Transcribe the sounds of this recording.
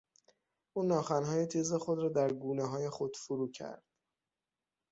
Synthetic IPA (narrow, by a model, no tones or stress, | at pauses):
ʔuːnɒːxænɦɒːjet̪ʰiːze̞xo̞d̪ɾɒːd̪æɾɡuːneɦɒːje̞xo̞d̪̥fuɾuːcʰæ̰ɾd̪̥